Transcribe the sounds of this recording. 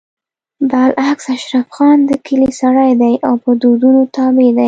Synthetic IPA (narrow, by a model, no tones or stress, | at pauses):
b̪alʔaksaʃɾafxɑnd̪əkʰəlisaɽajd̪ajʔawpəd̪od̪unot̪ɑbed̪aj